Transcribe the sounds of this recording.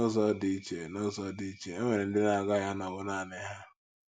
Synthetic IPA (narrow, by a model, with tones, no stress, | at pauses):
o˦zɔ˦di˦t͡ʃe˨no˦zɔ˦di˨i˦t͡ʃe˨e˦ŋʷe˨ɾe˨n̩˦dɪ˦na˨ɡa˦˨ɦa˦na˨bʊ˦na˨nɪ˦ɦa˦